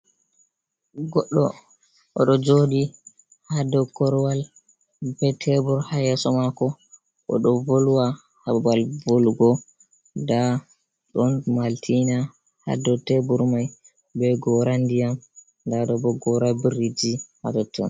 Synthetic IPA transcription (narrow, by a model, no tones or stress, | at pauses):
ɡɔɗːɔ | ʔɔɗɔd͡ʒodi | hadɔkɔɾwal | bɛtʰɛbuɾhajɛsɔmakɔ | ʔɔ̰ɗɔvoluwa | habalvolɡɔ | da | ɗɔnmaltʰina | ha̰dɔtɛbuɾmaj | bɛɡɔɾandijam | daɗɔbɔɡɔɾabiɾid͡ʒiha̰dɔtʰːɔ̰n